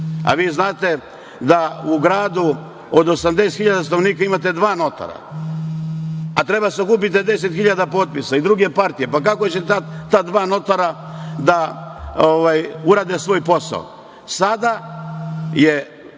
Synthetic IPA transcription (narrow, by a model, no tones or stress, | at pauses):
a̰ʋiːznaːt̪e̞ | d̪auɡɾaːd̪u | od̪o̞samd̪e̞st̪xiʎad̪asanoʋniːkaimat̪e̞d̪ʋaːno̞t̪a̰ɾa̰ | at̪ɾe̞basokuːp̬it̪̬ed̪e̞se̞t̪xiʎad̪apo̞ːt̪̚pisaid̪ɾuɡe̞paɾt̪ijepakakot͡ɕeat̪ad̪ʋaːno̞t̪aɾa | d̪aoʋajuɾaːd̪esʋo̞ːjpo̞sa̰o̰ | sad̪a | je